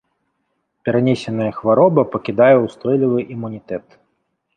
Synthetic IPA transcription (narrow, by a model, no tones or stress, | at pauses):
pʲɛɾanʲɛsʲɛnɐjɐxvaɾɔbɐpɐkʲid̪ajɛwst̪ɔjlʲivɨʔimːunʲit̪ɛt̪